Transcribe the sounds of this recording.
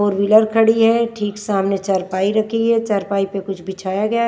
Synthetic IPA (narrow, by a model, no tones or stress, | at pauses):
oːɾʋiləɾkʰɐɽiɦɛ̃ʈʰiːksaːmnet͡ʃɐɾpaːiɾɐkʰiɦɛ̃t͡ʃɐɾpaːipekʊt͡ʃʰbɪt͡ʃʰaːjaɡɐja